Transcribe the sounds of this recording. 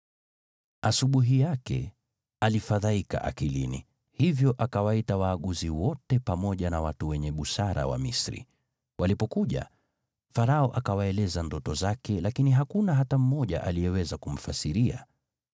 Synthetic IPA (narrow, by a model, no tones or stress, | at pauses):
asuɓuɦijakɛ̰ | alifaðaika̰ʔa̰kilḭnḭ | hivjɔʔakawaitawaːɠuziwɔtɛpamɔʄanawatuwɛɲɛɓusaɾa̰wa̰misɾḭ | wʔalipɔkuʄa̰ | faɾaɔʔakawaɛlɛzandɔtɔzakɛlakiniɦakunaɦatam̩mɔʄa̰ʔalijɛwɛzakum̩fasiɾia̰